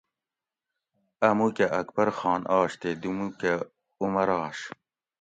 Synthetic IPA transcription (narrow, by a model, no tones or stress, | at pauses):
ɐmukeʔɐkbɐɾxɑːnɑːɕt̪ed̪umuke | umɐɾɑːɕ